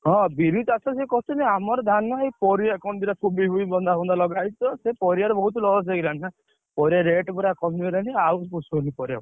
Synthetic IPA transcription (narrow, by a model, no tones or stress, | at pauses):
ɦɔ̃biɾit̪asɔsekɔt̪ɔneamɔɾɔd̪ʱanɔɦepɔɾijakɔnd̪iɾakʰubiɦuibɔnd̪ʱakɔnd̪ʱalɔɡajt͡ʃɔsepɔɾijaɾɔbɔɦut̪lɔlɔs̬eɡilanina | pɔɾijaɾeʈbɔɾakɔmielaniawpusnipɔɾija̰